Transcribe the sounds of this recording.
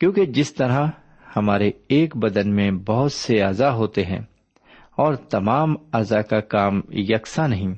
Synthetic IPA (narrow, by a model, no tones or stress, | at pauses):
kjõːked͡ʒɪst̪ɐɾa | hɐmaːɾeeːkbɐd̪ənmẽbɐɦʊt̪seaːzaɦoːt̪eɦɛ̰̃ː | ɔːɾt̪ɐmaːmaːzakakaːmjɐksanɐɦĩː